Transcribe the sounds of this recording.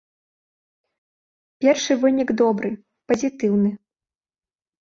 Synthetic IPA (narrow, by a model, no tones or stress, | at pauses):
pʲɛrʂɨvɨnʲiɡd̪ɔbɾɨ | pɐzʲit̪ɨwnɨ